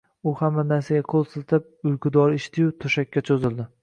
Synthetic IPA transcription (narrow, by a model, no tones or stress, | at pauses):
ʊhamːanaɾsaɡʲaqʰolˠsɨzt̪ʰɪp̚ʊjkʰʊd̪ɒɾɪʃt̪ʰɪjut̪ʰoʃakʲːat͡ʃʰozɪld̪ɪ